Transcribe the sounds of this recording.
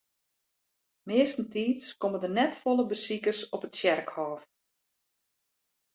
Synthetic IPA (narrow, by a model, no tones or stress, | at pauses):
mɪəstn̩tiːtskomədərnɛtfolˠəbəsikərsɔpətsjɛrkhɔːf